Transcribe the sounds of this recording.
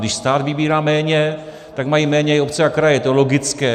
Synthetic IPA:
dɪʃst̪aːd̪vɪbiːɾaːmɛːɲɛ | t̪aɡmajimɛːɲɛopt͡sɛakɾajɛt̪olo̞ɡɪt͡skɛː

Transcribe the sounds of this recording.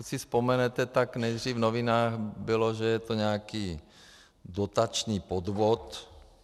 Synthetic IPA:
usispɔmɛnɛt̪ɛt̪aknɛjd̪riːvnoʋinaːxbilɔʒɛjɛt̪oɲɛakiː | d̪ot̪at͡ʃniːpɔd̪ʋɔt̪

